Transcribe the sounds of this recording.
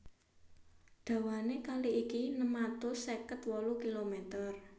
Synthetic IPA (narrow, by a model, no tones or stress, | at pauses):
ɖ̪̥ä̤wanekaliʔikinəmat̪ʊsekət̪wɔlukilomet̪ər